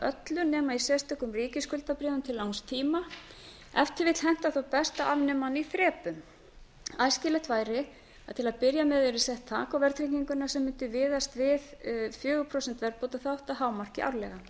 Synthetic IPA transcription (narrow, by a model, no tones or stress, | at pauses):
œ̰t̪lʏnɛːmaisɛst̪œkʏmriːcɪskʏlt̪apɾɛːvʏmt̪ʰɪlːawnst̪ʰiːma | ɛ̰ft̪ɪvɪt̪l̥ɦɛn̥t̪aθawpɛst̪aʔavnɪmːaniθɾɛːpʏm | ajscɪlɛht̪vaːjɾɪ | at̪ʰɪlaðpɪɾjamɛðɛɾɪ̥sɛht̪ʰːaːkawvɛɾ̥t̪ʰɾiciŋkʏnasɛmːʏnt̪ʏvɪːðast̪vɪðfjœːɣʏpʰɾosɛnt̪vɛɾpot̪aθaaht̪aɦaːwmar̥cɪʔa̰wɾlɛ̰ɣa